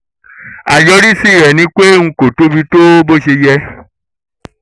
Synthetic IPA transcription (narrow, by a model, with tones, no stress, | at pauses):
a˨jɔ˧˦ɾi˦si˦˨ɾɛ˨nĩ˧˦k͡pe˦ŋ̩̃˧˦ko˨to˦bi˧to˦bo˦˨ʃe˧jɛ˧